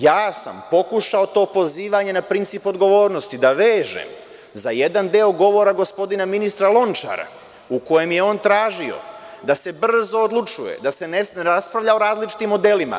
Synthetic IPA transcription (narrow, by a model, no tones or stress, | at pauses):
jaːsa̰mpo̞kuʃao̞t̪o̞ːpo̞ziːʋaɲe̞napɾint̪sipo̞d̪ɡo̞ʋo̞ːɾno̞st̪id̪aʋeːʒḛm | zaje̞d̪and̪eoɡo̞ʋo̞ɾaɡo̞spo̞d̪inaminist̪ɾalˠo̞nt͡ʃa̰ɾa̰ | uko̞je̞mje̞o̞ːnt̪ɾaːʒio̞̰ | d̪ase̞br̩zo̞ːd̪lˠut͡ʃuje̞̰d̪ase̞nenɾaspɾaʋʎao̞ɾaːzlit͡ʃi̥t̪imːo̞d̪e̞ːlima̰